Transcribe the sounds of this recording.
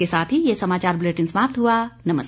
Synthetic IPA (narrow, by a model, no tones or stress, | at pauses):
esaːt̪ʰɦijesɐmaːt͡ʃaːɾbʊleːʈɪ̃nsmaːp̚t̪ɦuanɐməs